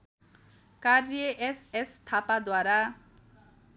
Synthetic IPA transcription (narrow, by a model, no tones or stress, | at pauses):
kaɾjeʔesest̪ʰapad̪waɾa